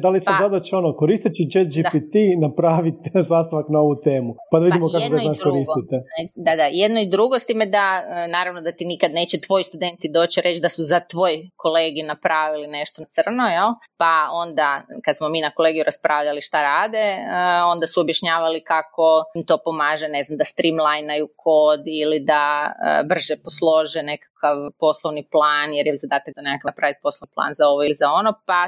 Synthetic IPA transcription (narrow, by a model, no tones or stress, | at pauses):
d̪alisazad̪at͡ʃeonokoɾist̪it͡ʃid͡ʒed͡ʒiapit̪inapɾaːʋit̪zaːst̪aʋaknao̞ʋut̪e̞ːmupad̪aʋid̪imokakkoɡ̪anaːʃkoɾiːsit̪ed̪ad̪ajed̪noid̪ɾuɡost̪iːmed̪anaːɾaʋnod̪at̪inikad̪ne̞ːt͡ɕet̪ʋo̞jist̪ud̪e̞nt̪id̪o̞ːt͡ɕiɾʔe̞t͡ʃd̪asuzat̪ʋo̞ːjkʰoleːɡinapɾaːʋiline̞ʃt̪ot̪sr̩nojel | pao̞nd̪akad̪smominako̞leɡijuɾaspɾʔaːʋʎaliʃt̪aɾaːd̪eo̞nd̪asuobjaʃɲaːʋalikako̞mt̪o̞ːpomaːʒene̞znamd̪ast̪ɾimlˠajnajukʰod̪ilid̪aə̰br̩ʒɛposlˠo̞ʒene̞kḁkaʋpo̞slˠoʋniplˠaːnjeɾjɛzad̪aːt̪ak̚d̪onekakapɾaʋit̪̚po̞slˠoniplˠa̰ːnzao̞ʋoilizao̞nopa